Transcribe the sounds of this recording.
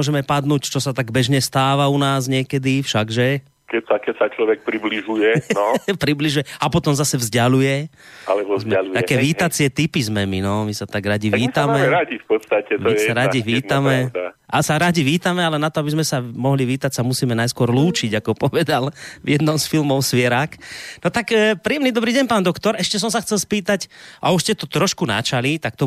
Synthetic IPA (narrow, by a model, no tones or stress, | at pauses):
ɔʒɛmɛpad̪nuːct͡ʃɔsat̪aɡbɛʒɲɛst̪aːʋaunaːzɲɪɛkɛd̪ifʃaɡʒɛ | kɛcsakɛsat͡ʃlɔʋɛk̚pɾibliʒujɛnɔpɾibliʒujɛapɔt̪ɔmzasɛvzɟalujɛalɛbɔzɛalut̪aɛkɛːʋiːt̪at͡sɪɛt̪ipizmɛminɔmisat̪aɡɾaɟiʋiːt̪amɛɛɾaɟifpɔt̪st̪acɛt̪misaɾaɟiʋiːt̪amɛaʔasaɾaɟiʋiːt̪amɛalɛnat̪ɔabizmɛsamɔɦliʋiːt̪acsamusiːmɛnajskʊɔɾluːt͡ʃiɟakɔpɔʋɛd̪alʋjɛd̪nɔʊsfilmɔʊsʋɪɛɾaknɔt̪akːpɾiɛmnid̪ɔbɾiːɟɛɲnpaːnd̪ɔkt̪ɔɾɛʃcɛs̬ɔms̬axt͡sɛlspiːt̪acʔa̰uʃscɛt̪ɔt̪ɾɔʃkuna̰t͡ʃalit̪ak̚t̪ɔ